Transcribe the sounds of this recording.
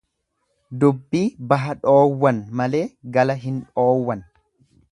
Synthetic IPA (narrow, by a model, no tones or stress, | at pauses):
d̪ʊbːiːbɐɦɐᶑo̞ːwːɐnmɐle̞ːɡɐlɐɦɪnᶑoːwːɐn